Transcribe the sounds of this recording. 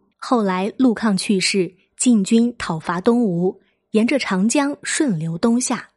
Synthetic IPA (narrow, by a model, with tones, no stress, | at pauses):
xo˥˩ʊla˧˥ɪlu˥˧kʰɑ˥˧ŋt͡ɕʰy˥˧ʂɻ̩˥˩ | t͡ɕi˥˩nt͡ɕy˥nt̪ʰɑ˨˩ʊfa˧˥t̪ʊ˥ŋu˧˥ | jɛ˧˥nʈ͡ʂə˧ʈ͡ʂʰɑ˧˥ŋt͡ɕjɑ˥ŋʂwə˥˩nljo˧˥ʊt̪ʊ˥ŋɕja˥˩